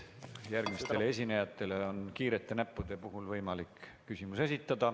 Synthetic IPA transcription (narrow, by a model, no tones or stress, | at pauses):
jærɡ̥mist̪e̞lee̞s̬ʲinejɑt̪ːˑe̞le̞o̞nkiːɾe̞t̪ːˑe̞næpːud̪̥e̞puɦulvɤjmɑlikː | ysʲimuse̞sʲit̪ːˑɑd̪̥ɑ